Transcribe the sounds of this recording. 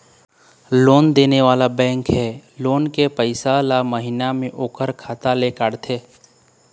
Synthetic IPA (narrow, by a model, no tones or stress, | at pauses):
loːnd̪eːneʋaːlabɛ̃ːŋkɦɛːloːnkepəɪsalaməɦɪnamẽʔoːkəɾkʰaːt̪alekaɽt̪ʰeː